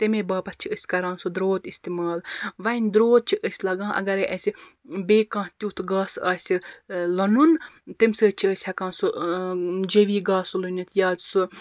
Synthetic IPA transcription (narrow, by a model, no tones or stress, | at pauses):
t̪emebaːpɐt̪̚t͡ʃʰiəsʲkɐɾãːnsod̪ɾoːt̪ist̪imaːlʋɐjnʲd̪ɾoːt̪̚t͡ʃʰiʔəsʲlɐɡãːʔɐ̰ɡɐɾeʔɐsʲi | beːkãːt̪ʲuːt̪ʰɡaːsaːsʲilɐnunt̪emsəːt͡ʃʰiəsʲhɐkãːnso | d͡ʒeʋiːɡaːsulunit̪ʰjaːsu